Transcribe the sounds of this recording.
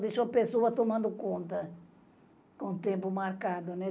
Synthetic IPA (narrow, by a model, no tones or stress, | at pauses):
d̪isuɐpesoɐt̪omɐ̃nd̪ʊkõnt̪ɐ | kõt̪ẽmpʊmaɾkad̪ʊnɛ